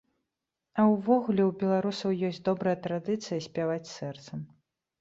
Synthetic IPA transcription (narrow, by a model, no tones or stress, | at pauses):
ɐwvɔɣulʲɛwbʲɛlˠaɾusɐwjɔsʲd͡zʲd̪ɔbɾɐjɐt̪ɾad̪ɨt̪sɨjɐsʲpʲavat͡sʲsɛrt̪sɐm